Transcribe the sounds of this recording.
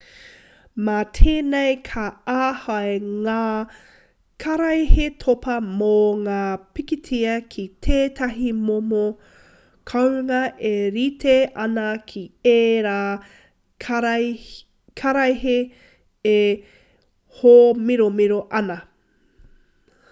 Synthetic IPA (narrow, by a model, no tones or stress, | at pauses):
matʰeːnejkʰɐaːhɐeŋaː | kʰɐɾɐjhetʰopɐmoŋaːpikitʰiɐkʰitʰeːtʰɐɦimomo | kʰɐwŋɐʔeɾitʰeʔɐnɐkʰieːɾaː | kʰɐɾɐjɦe | e | homiɾomiɾoʔɐnɐ